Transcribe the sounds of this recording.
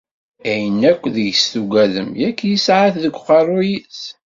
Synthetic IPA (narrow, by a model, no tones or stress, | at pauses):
æjənːækʷːðəʝsθuɡæðəmjækːjisʕaθðəkʷːqɑrˤujis